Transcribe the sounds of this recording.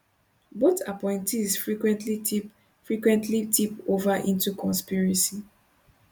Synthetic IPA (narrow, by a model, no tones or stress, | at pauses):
botʰapɔ̃ɪ̃ntizfɹikwɛ̃ntlii | fɹikwɛ̃ntʰlitʰipovaʔĩntukɔ̃nspiɹasi